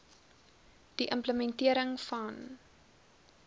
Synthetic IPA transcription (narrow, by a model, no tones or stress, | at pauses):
d̥iʔəmpləmɛntiəɾəŋfɐn